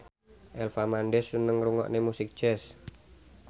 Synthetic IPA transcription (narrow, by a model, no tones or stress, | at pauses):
ʔɛlfamanɖɛsːənəŋruŋɔ̰ʔnemusɪk̚d̥d͡ʒ̥ɛs